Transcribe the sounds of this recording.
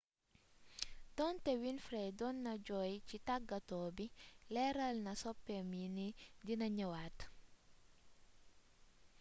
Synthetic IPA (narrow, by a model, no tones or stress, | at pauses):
dɔntɛwinfɾɛdɔnːɐɟɔjcitaɡːɐtɔːbilɛɾɐlnɐsɔpːɛminidinɐɲɐwat